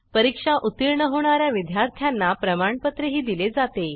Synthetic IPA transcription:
pəɾikʂaʔut̪iɾɳəɦoɳ̃aɾjaʋid̪ʱjaɾt̪ʰjanːapɾəmaɳpət̪ɾeɦiːd̪iled͡zat̪e

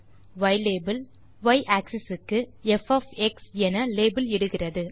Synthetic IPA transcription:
ʋɐɪleːbɪl | ʋɐɪʔaːksɛsɯkːɯɛfɐfɛksɛnɐleːbɪlɛɽɯɣɪrɐðɯ

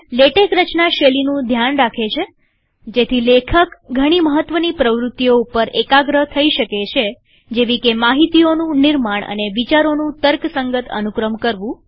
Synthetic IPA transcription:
leʈekɾət͡ʃnaʃelinũd̪ʱjanɾakʰet͡ʃʰe | d͡ʒet̪ʰilekʰəkɡʱəɽ̃iməɦət̪ːʋənipɾəʋɾut̪ːjoupəɾekaɡɾəɦt̪ʰəiʃəket͡ʃʰe | d͡ʒeʋikemaɦit̪ionũniɾmaɳ̃ə̰neʋit͡ʃaɾonũt̪əɾksəŋɡət̪ə̰nukɾəmkəɾʋũ

